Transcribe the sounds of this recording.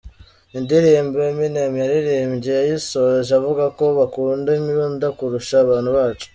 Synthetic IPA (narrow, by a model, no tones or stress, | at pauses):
indiɾiːmbeminemjaɾiɾiːmɟejajisoʒavuɡako̞βakuːndemiβondakuɾuʃaβaːn̤̥huβaːt͡ʃo̥